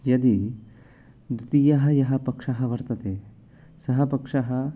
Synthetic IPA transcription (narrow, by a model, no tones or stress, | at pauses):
jɐd̪i | d̪ut̪ijɐɦɐjɐɦɐpɐkʂɐɦɐʋɐɾt̪ɐt̪e | sɐɦɐpɐkʂaɦɐ